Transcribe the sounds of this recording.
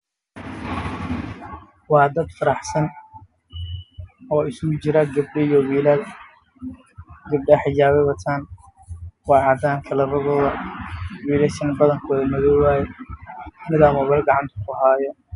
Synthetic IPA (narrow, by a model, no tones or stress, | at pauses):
wɑːd̪ɐd̪fɐɾɑħsɐn | ɔːɪsʊɡʊt͡ʃɪɾɐɡɐbɖɪjɔwiːlɐ | ɡɐb̚ɖɐħɪd͡ʒaːβɛwɐt̪ʰaːn | wɑːʕɑd̪aːŋkʰɐlɐrɐβɔːðɐwiːlɛʃɐnbɐðɐŋkʰɔːðɐmɐðɔwwaːjɛ | nɪðaːmɔβɛlɡɑʕɑnt̪ʰɐ̥kʰʊɦaːjɔ